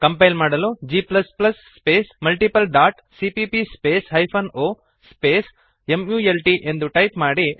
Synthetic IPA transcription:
kɐmpɐjlmaːɽɐlud͡ʒiːplɐsplɐsːpeːsmɐlʈipɐlɖaːʈ | sipipispeːsɦɐjpʰɐnoː | speːs | emjuːelʈiʔe̞nd̪uʈɐjpmaːɽi

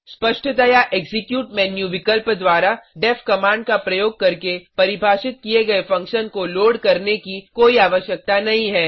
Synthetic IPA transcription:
spɐʃʈʰət̪ajaʔeːɡzɪkjuːʈmɛːnjuʋɪkəlpd̪waːɾaɖɛpʰkɐmãːɳɖ̚kapɾɐjoːɡ̚kɐɾkepɐɾɪbʱaːʃɪt̪̚kieɡɐefɐ̃ŋkʃənkoloːɽkɐɾnekikoːiaːʋəʃjək̚t̪anɐɦĩɦɛː

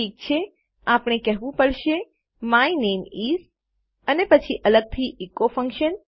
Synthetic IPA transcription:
ik̚t͡ʃʰe | apɽ̃ekɛɦʋũpəɽʃe | mainemiz | ənepət͡ʃʰiʔələɡ̚t̪ʰiʔekofə̃ŋkʃən

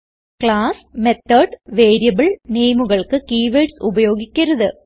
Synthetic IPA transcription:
kɭaːsmet̪ːɐɖʋe̞ːɾijɐbɨɭneːjmuɣɐɭkɨkiːʋeʈsubɐjo̞ːɡikʲːɐɾɐðɨ

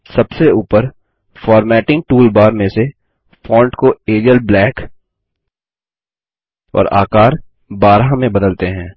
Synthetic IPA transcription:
sɐbseuːpəɾ | fɔːɾmɛːʈɪ̃ŋk̚ʈuːlbaːɾmẽse | fɔ̃ːɳʈkoeːɾəlblɛːk | ɔ̰ːɾa̰ːkaːɾ | baːɾɦamẽbɐd̪əlt̪eɦɛ̃ː

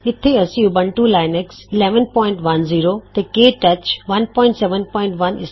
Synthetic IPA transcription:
ɪt̪ʰeɐsiubə̃ɳʈulaːɪneksɪleːʋənpɔːɪ̃ɳʈʋɐnziːɾot̪ekeːʈɐt͡ɕʋɐnpɔːɪ̃ɳʈsɛːʋənpɔːɪ̃ɳʈʋɐnɪs

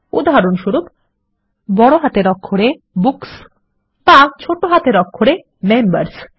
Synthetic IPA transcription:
ṵd̪ʱaɦaɾonʃuɾub | bɔɽoɦat̪eɾɔkʰːoɽe | buks | t̪at͡ɕʰoʈoɦat̪eɾɔkʰːoɾe | membaɾs

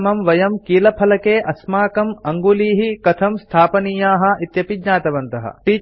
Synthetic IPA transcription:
mɐmʋɐjɐmkiːlɐpʰɐlɐkeːʔɐsmaːkɐmɐŋɡuliːɦikɐt̪ʰɐmst̪ʰaːpɐniːjaːɦɐ̆it̪jɐpidɲaːt̪ɐʋɐnt̪ɐɦɐ̰ʈiː

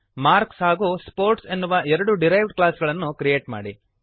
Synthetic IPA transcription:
maːɾksɦaːɡuːspoːɾʈsenːuʋɐʔɛɾɐɽuɖiɾɐjʋɖklaːsɡɐɭɐnːukɾijeːʈma̰ːɽi

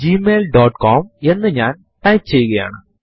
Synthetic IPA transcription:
d͡ʑime̞ːlɖoːʈkʰoːme̞nːɨɲaːn | ʈɐjkt͡ɕe̞jːuɣɐja̰ːɳɨ

